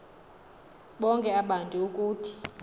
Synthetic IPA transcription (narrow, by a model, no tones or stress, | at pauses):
ɓɔŋkʼɛaɓantʼiukʼuːtʰi̥